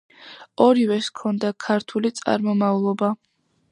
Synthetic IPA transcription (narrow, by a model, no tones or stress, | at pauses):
ɔɾivɛskʰɔnd̪akʰaɾt̪ʰulit̪sʼa̰ɾmɔmaulˠɔba